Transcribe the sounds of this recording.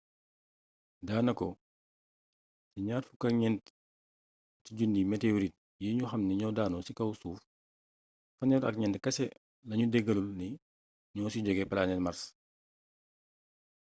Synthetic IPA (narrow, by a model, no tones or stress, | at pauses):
daːnɐkɔ | tiɲaːɾfukɐɲɛnt | tiɟundimɛteoɾit̚ | jiːɲuxɐmniɲɔːdaːnɔsikɐwsuːf | fɐnɔɾɐ̰kɲɛntkɐsɛ | lɐɲudɛɡɐlulni | ɲɔːsiɟɔɡɛpɐlaːnɛtmɐɾs